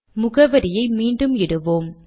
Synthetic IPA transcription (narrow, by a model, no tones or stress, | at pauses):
mʊɣɐʋɐɾɪjɐɪmiːɳɖɯmɪɽɯʋoːm